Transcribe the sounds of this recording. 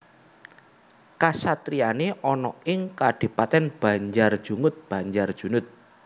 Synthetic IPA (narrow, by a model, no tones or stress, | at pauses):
kasat̪ɾianeʔɔnɔɪŋkaɖ̥i̤pat̪ɛnb̥a̤ɲd͡ʒard̥ʒ̥ṳŋʊt̪̚b̥a̤ɲd͡ʒard̥ʒ̥ṳnʊt̪̚